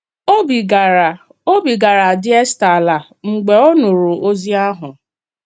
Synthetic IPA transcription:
o˦bi˨ɡ | o˦bi˨ɡa˨ɾa˨dɪ˦e˦sta˨la˨ | ŋ͡m̩˨ɡ͡be˨ɔ˦nʊ˨ɾu˨ʔo˦zi˦a˦ɦʊ˨

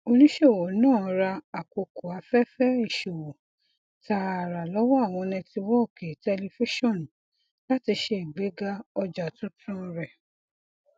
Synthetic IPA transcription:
o˧nĩ˦ʃe˦˨wo˨nãː˦˨˧ɾa˧a˨ko˨ko˨a˨˧˦fɛ˦fɛ˦i˦˨ʃo˨wo˨ | ta˧˨ɾa˨lɔ˨˦wɔ˦a˦˨w̃ɔ̃˧nɛ̃˧ti˧wɔ˦˨ke˨tɛ˧li˧fi˦ʃɔ̃˦˨n˨ | la˦ti˧ʃe˧i˨ɡ͡be˨˦ɡa˦ɔ˧d͡ʒa˨tũ˦tũ˦ɾɛ˨

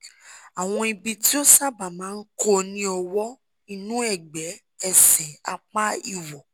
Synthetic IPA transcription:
a˨w̃ɔ̃˧i˧bi˧ti˦o˦sa˦ba˨mãː˨˦n̩˦ko˦nĩ˦ɔ˧wɔ˦ | i˧nũ˦ɛ˦˨ɡ͡bɛ˨˦ | ɛ˦˨sɛ˨a̰˧k͡pa˦ḭ˦˨wɔ˨

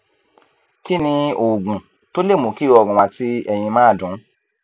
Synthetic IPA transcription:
ki˦nĩ˧o˨ɡũ˨ | to˦le˦˨mõ˨˦ki˦ɔ˧˨ɡũ˨wa˨˧ti˦ɛ˧j̃ĩ˧mãː˦˨dũ˨˦

